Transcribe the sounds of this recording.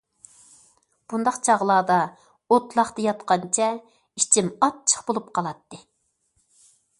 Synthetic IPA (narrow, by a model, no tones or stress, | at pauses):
b̥und̪ɑqt͡ʃʰɑʁlˠɑːd̪ɑ | ot̪lˠɑχt̪ɑjɑt̪qɑnt͡ʃʰɛ | it͡ʃʰimɑt̪̚t͡ʃʰə̥χbolˠup̚qʰɑlˠɑt̪ːɨ